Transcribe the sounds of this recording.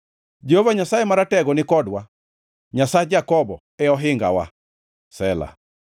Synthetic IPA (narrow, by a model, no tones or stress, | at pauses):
d͡ʒehovaɲasaemaɾatɛɡɔnɪkɔdwa | ɲasaed͡ʒakɔbɔ | ɛɔɦɪŋɡa̰wa̰ | sɛla̰